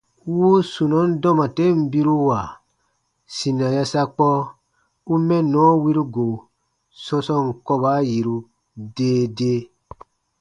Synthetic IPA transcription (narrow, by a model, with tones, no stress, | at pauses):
wu˦su˨nɔ̃˨˦n̩˦dɔ˦mã˨te˦m̩˨bi˦ɾu˦wa˨ | sĩ˨nã˨ja˧sa˧k͡pɔ˦ | u˦mɛ̃˦nɔ̃˨˦wi˦ɾu˦ɡo˨ | sɔ̃˧sɔ̃˧ŋ̩˨kɔ˧ba˨˦ji˨ɾu˧ | deː˦de˦